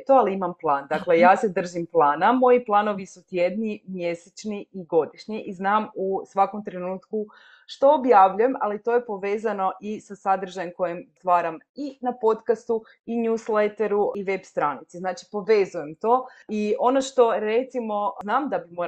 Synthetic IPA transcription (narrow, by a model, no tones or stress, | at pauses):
t̪oaliimamplˠaːnd̪aklejaːse̞d̪r̩ʒimplˠaːnamo̞jiplˠano̞ʋisut̪jed̪ɲimjeset͡ʃniiɡo̞d̪iʃɲiʔiznaːmusʋako̞mt̪ɾe̞nuːt̪ku | ʃt̪o̞objaʋʎuje̞malit̪o̞ːje̞po̞ʋe̞ːzano̞ʔisasad̪ɾ̩ʒajemko̞jemst̪ʋaːɾam | inapo̞t̪kast̪u | iɲuːslet̪eɾuiʋe̞bst̪ɾaːnit̪siznaːt͡ʃi̥po̞ʋe̞ːzuje̞mt̪o̞ːio̞noʃt̪o̞ɾe̞t̪simo̞znaːmd̪abimo